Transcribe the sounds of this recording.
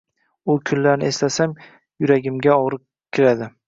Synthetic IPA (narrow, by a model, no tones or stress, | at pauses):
ʊkʰʊnːaɾnɪ̰e̞slasam | jʊɾaɡʲɪmɡʲaɒʁɾɪq̚ | kʲʰːɪɾad̪ɪ